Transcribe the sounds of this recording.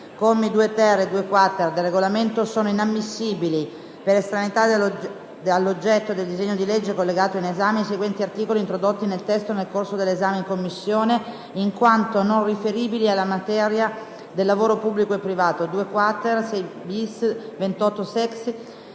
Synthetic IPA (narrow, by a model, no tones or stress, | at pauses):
komeid̪uːet̪ɛrːed̪uːekwat̪ːerd̪elrːeɡolament̪osoːnoinamːisːiːbili | peɾest̪ɾanit̪a | alːod͡ʒːɛt̪ːod̪eld̪izeɲːod̪iled͡ʒːekolːeɡaːt̪oinezaːmeseɡwɛnt̪iart̪iːkoliːnt̪ɾod̪ot̪ːinelt̪ɛst̪onelkorsod̪elːezaːmeiŋkomːisːjoːne | iŋkwant̪ononrifeɾiːbilialːamat̪ɛɾja | d̪elːavoːɾopubːlikoepːɾivaːt̪od̪uːekwat̪ːersɛjbisvent̪ɔt̪ːosɛks